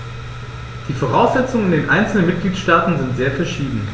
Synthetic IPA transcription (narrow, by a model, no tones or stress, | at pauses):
d̥iːfoʁ̞aʊsz̥ɛt͡sʊŋəɪndeːnʔaɪnt͡sl̩nənmɪt̚ɡ̥liːtʃtaːtn̩zɪntz̥eːɐfɛɐʃiːdn̩